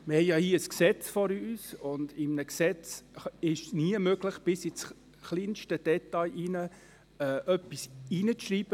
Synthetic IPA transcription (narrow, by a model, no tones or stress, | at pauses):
mɪhɛjɑhiːəəsksɛt͡sfɔɾyːsʊndɪmnəksɛt͡sɪʃsniəmøɡ̥ləχb̥ɪsɪt͡s | χliːnʃtəd̥ɛtɑɪʔinə | ɛːʔœpːisinət͡sʃriːb̥ə